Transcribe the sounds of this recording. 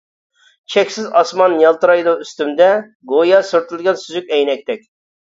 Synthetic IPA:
t͡ʃʰɛkʲsɪzɑsmɑnjɑlˠt̪ɨɾɑjd̪uyst̪ymd̪ɛ | ɡojɑsyɾt̪ʰylɡʲɛnsyzykʲɛjnɛk̚ʲt̪ʰɛk̚ʲ

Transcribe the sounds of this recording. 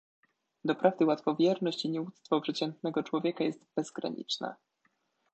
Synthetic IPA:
d̪ɔpɾavd̪ɘwat̪fɔvʲjɛɾnɔɕt͡ɕiɲɛut̪st̪fɔpʂɛt͡ɕɛnt̪nɛɡɔt͡ʂwɔvʲjɛkajɛst̪bɛzɡɾa̰ɲḭt͡ʂnɛ̰

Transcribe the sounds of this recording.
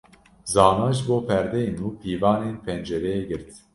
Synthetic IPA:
zɑːnɑːʒɨboːpʰɛɾd̪ɛjenuːpʰiːvɑːneːnpʰɛnd͡ʒɛɾɛjeɡɨɾt̪

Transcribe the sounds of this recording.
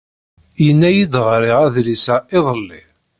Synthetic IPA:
jənːæjid̪ʁɾɪʁæðlisæɪðˤəlːi

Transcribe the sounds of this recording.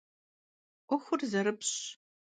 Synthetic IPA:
qʷʊxʷʊrzɐɾɨpɕ

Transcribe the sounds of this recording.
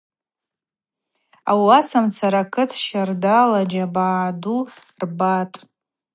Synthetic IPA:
awasamt͡sʰaɾakʰɨtʰʃardalad͡ʒabadu | rbatʼ

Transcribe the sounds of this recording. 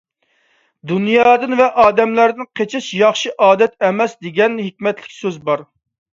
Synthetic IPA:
d̪unjɑːd̪ɨnvɛʔɑːd̪ɛmlæɾd̪ɪnqʰet͡ʃʰɪʃjɑχʃiʔɑːd̪ɛt̪ɛmɛsd̪eɡʲɛnɦikʲmɛt̪lɪ̥kʲsøzbɑɾ

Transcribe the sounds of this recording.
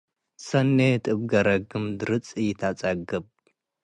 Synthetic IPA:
sɐnːet̪ʼɨbɡɐɾɐɡɨmd̪ɨɾɨt͡sʼɨjɪt̪ʰat͡sʼaɡɨb̚

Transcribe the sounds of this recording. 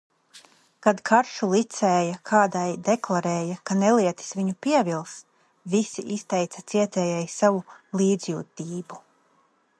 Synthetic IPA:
kad̪kʰaɾʃulˠit̪sɛːjakʰaːd̪ajd̪ɛklˠaɾɛːjakanɛliɛt̪i̥sviɲupiɛvilˠs | visiʔist̪ɛjt̪sɐt̪siɛt̪ɛːjɛjsavulˠiːd̪zjṵːt̪iːbu

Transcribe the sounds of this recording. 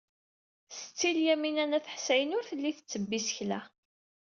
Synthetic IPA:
sət͡sːiljæminænæθəħsæjənʊɾθəlːiθət͡sːəbːisəçlæ

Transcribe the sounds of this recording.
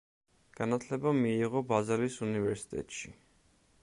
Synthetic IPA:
ɡ̥anat̪ʰlɛbamiːʁɔbazɛlisunivɛɾsi̥t̪ʼɛ̰t̪ʼʃi

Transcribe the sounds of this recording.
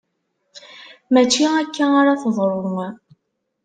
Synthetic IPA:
mæt͡ʃːiækːaaɾaθəðˤɾˤom

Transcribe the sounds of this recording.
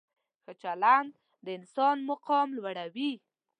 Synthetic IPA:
xət͡ʃaland̪ | d̪əɪnsɑnmʊqɔmlwaɽawi

